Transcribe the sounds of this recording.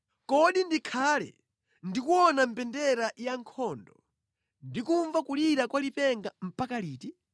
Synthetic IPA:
kɔɗindikʰaːlɛ̰ | ndikuɔnampɛndɛɾajaŋkʰɔndɔ | ndikuɱvakuliɾakwalipɛŋɡam̩pakaliːti

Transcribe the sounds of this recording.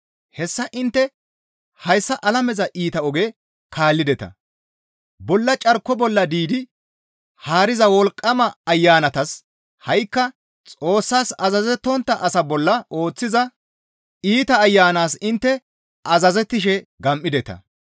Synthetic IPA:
hɛsːɐʔɪnt̪ːɛ | hɐjsːɐʔɐlɐmɛzɐʔiːt̪ɐɔɡɛ | kʰaːlːɪd̪ɛt̪ɐ̰ | bɔlːɐt͡ʃʼɐɾkːɔbɔlːɐd̪iːd̪ɪ | haːɾɪzɐwɔlkʼːɐmɐːjːaːnɐt̪ɐs | hɐjkːɐ | t͡sʼo̞ːsːaːsɐzɐzɛt̪ːɔnt̪ːɐʔɐsɐbɔlːɐo̞ːt͡sːɪzɐ | iːt̪ɐːjːaːnaːsɪnt̪ːɛ | ʔɐzɐzɛt̪ːɪʃɛɡɐmʔːɪd̪ɛt̪ɐ̰

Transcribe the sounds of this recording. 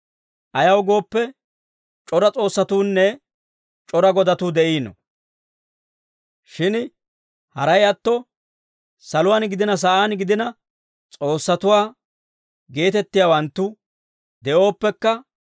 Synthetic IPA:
ʔɐjɐwɡo̞ːpːɛ | t͡ʃʼɔɾɐt͡sʼo̞ːsːɐt̪uːnːɛ | t͡ʃʼɔɾɐɡɔd̪ɐt̪uːd̪ɛʔiːnɔ̰ | ʃɪn | hɐɾɐjɐt̪ːɔ | sɐlʊwaːnɡɪd̪ɪnɐs̬ɐʔaːnɡɪd̪ɪnɐ | t͡sʼo̞ːsːɐt̪ʊwaː | ɡe̞ːt̪ɛt̪ːɪjaːwɐnt̪ːʊ | d̪ɛʔo̞ːpːɛkːɐ

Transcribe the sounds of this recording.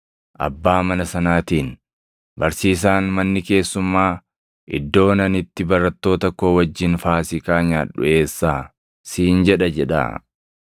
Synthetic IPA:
ʔɐ̰bːaːmɐnɐsɐnaːt̪iːn | bɐɾsiːs̬aːnmɐnːɪke̞ːsːʊmːaː | ʔɪ̰d̪ːo̞ːnɐnɪt̪ːɪbɐɾɐt̪ːo̞ːt̪ɐkːo̞ːwɐd͡ʒːɪnfaːsɪkaːɲaːᶑʊ̰e̞ːsːaː | siːnd͡ʒɛᶑɐd͡ʒɛᶑɐ̰

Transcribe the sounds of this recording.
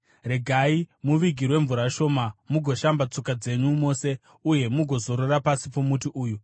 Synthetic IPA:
reɡʱaimuʋiɡʱirwe̞ɱvuɾaʃo̞ːmamuɡʱo̞ʃambat͡so̞kad͡ze̞ɲumo̞se̞ | uje̞muɡʱo̞zo̞ɾoɾapasipomutiʔuːju

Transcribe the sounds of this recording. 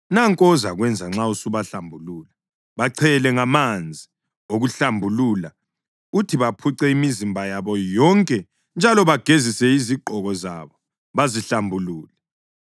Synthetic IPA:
naŋkʼɔzaɣwɛnd͡zʱaŋ͡ǁausuβaɬambʱuluːla | βaǀʰɛlɛŋamand͡zʱi | oɣuɬambʱulula | utʰiβapʰuǀɛimizimbʱajaβɔjɔŋkʼɛ | nd͡ʒʱalɔβaɡ̥ʱezisɛiziǃʱɔɣɔza̰βɔ | βaziɬambʱuluːlɛ

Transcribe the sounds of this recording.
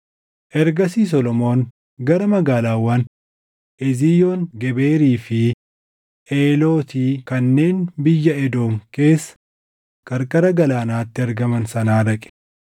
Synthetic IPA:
ʔɛɾɡɐsiːs̬ɔlɔmo̞ːŋ | ɡɐɾɐmɐɡaːlaːwːɐn | ʔɛzijoːŋɡɛbe̞ːɾiːfɪ | ʔeːlo̞ːt̪iːkɐnːe̞ːnbɪjːɐɛd̪o̞ːŋke̞ːsːɐ̥ | kʼɐɾkʼɐɾɐɡɐlaːnaːt̪ːɪɐɾɡɐmɐnsɐnaːɾɐkʼɛ̥

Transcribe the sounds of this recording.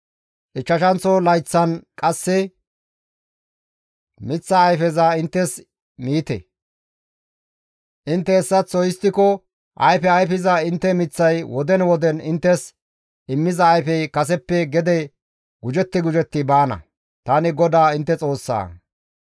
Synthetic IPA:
ʔɪt͡ʃːɐʃɐnt͡sɔlɐjt͡sːɐnkʼɐsːɛ | mɪt͡sːɐːjfɛzɐɪnt̪ːɛs | miːt̪ɛ̰ | ʔɪnt̪ːɛːsːɐt͡sːɔjɪst̪ːɪkɔ | ʔɐ̰jfɛɐjfɪzɐɪnt̪ːɛmɪt͡sːɐjwɔd̪ɛnwɔd̪ɛnɪnt̪ːɛs | ɪmːɪzɐːjfɛjkɐsɛpːɛɡɛd̪ɛ | ɡ̥ʊd͡ʒɛt̪ːɪɡʊd͡ʒɛt̪ːɪbaːnɐ̰ | t̪aːnɪɡɔd̪aːɪnt̪ːɛt͡sʼo̞ːsːa̰ː

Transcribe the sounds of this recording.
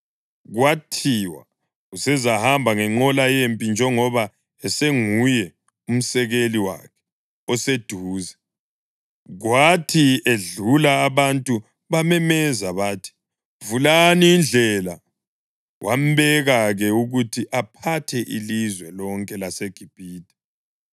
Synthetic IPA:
ɣwatʰiwa̰ | usɛzahambʱaŋɛŋ͡ǃɔlajempʼind͡ʒʱɛŋɔβa | ɛseŋujɛ | um̩sɛɣeliwa̰kʰɛ̥ | ɔsed̥ʱuːzɛ | ɣwatʰieɮulaːβantʼu | βamɛmɛzaβaːtʰi̥ | vulaniːnd͡ɮʱɛla | wʔa̰m̩βɛɣaɣɛuɣutʰiʔapʰatʰɛʔḭlizwɛlɔŋkʼɛlaseɡ̥ʱib̥ʱiːdʱʼɛ̥

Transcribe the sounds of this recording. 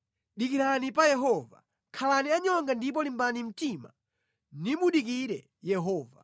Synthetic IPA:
ɗikiɾanipajɛɦɔva̰ | kʰalaniaɲɔŋɡandip̬ɔlimbanim̩tima̰ | niɓuɗik̬iɾɛ | jɛɦɔːva̰

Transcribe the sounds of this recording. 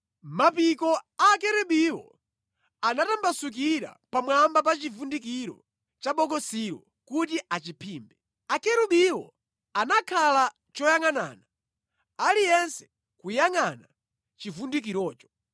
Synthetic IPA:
mapikɔakɛɾɛɓiwɔ̰ | anatambasuk̬iɾa̰pamwambap̬at͡ʃivundikiɾɔ̰ | t͡ʃaɓɔɡɔsiɾwɔ̰ | kutiʔat͡ʃipʰiːmbɛ | akɛɾuɓiwɔ̰ | anakʰala | t͡ʃɔjaŋana̰ːna | alijɛnsɛ̥ | kujaŋana | t͡ʃivundik̬iɾɔːt͡ʃɔ̥

